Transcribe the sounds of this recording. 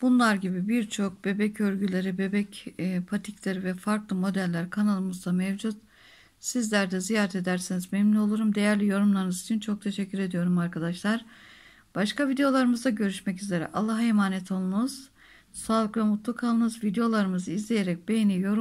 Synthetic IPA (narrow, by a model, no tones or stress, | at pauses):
b̥unlˠaɾɟibibiɾt͡ʃʰo̞k̚be̞bɛcøɾɟylʲe̞ɾibe̞bɛcːpʰat̪ʰiclʲeɾivɛfaɾklˠɯmo̞d̪ælʲːæɾkʰanalˠɯmuzd̪amevd͡ʒut̪̚ | sizlʲæɾd̪ɛzijaːɾɛt̪ʰe̞d̪æɾsinizmɛmnʲio̞lˠuɾumd̪e̞jæɾlʲijo̞ɾumlˠaɾɯnɯzit͡ʃʰint͡ʃʰo̞k̚t̪ʰe̞ʃɛcʰːyɾe̞d̪ijo̞ɾumaɾkʰad̪aʃlˠaɾ̥ | b̥aʃkavid̪e̞jo̞lˠaɾɯmɯzd̪aɟø̞ɾyʃmɛcize̞ɾɛ̰ʔa̰lˠːaɦaemaːnɛt̪ʰolˠɯnɯz̥ | salˠɯkɾamut̪ʰlˠukʰalˠɯnɯzvid̪ejo̞lˠaɾɯmɯzɯizlʲeje̞ɾɛc̚be̞jinijo̞ɾu